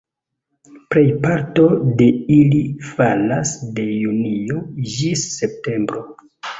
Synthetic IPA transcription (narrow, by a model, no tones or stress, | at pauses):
pɾe̞jpaɾto̞de̞ilifalasde̞junio̞d͡ʒisːe̞p̚te̞mbɾo̞